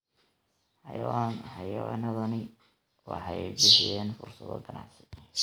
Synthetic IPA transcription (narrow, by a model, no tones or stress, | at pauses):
ħɑjwɑːnħɑjɐwɑ̰ːnɐðɐnɪ | wɑ̰ħɑjbɪʃjɛːnfʊrsɐðɔ̰ɡ̪ɐnɑ̰ʕsɪ̥